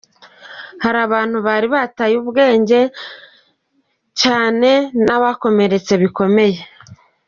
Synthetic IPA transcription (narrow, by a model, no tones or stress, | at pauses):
haɾaβaːn̥huβaːɾiβatajuːβɡe̞ːɲɟe̞ | caːne̞naβako̞me̞ɾe̞t͡se̞βiko̞me̞je̞